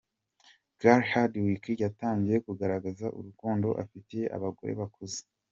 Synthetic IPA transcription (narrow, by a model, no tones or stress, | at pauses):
ɡ̥aɾhadwikijataːɲɟije̞kuɡaɾaɡazaʔṵɾukoːndo̞̰ʔa̰fitejeʔa̰βaɡo̞̰ɾe̞̰βakoze̥